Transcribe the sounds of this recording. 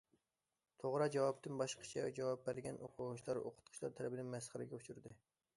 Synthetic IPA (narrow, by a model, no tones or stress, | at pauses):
t̪ʰoʁɾɑd͡ʒɛwɑp̚t̪ɨnbɑʃqʰə̥t͡ʃʰɛd͡ʒɛwɑp̚bæɾɡʲɛnoqʰʊʁt͡ʃʰlˠɑɾo̰qʰʊ̥t̪̚qʰʊ̥ʃʲlˠɑɾt̪ʰɛlɛbɪnɪŋmɛsχəɾɪɡʲɛut͡ʃʰuɾd̪ɨ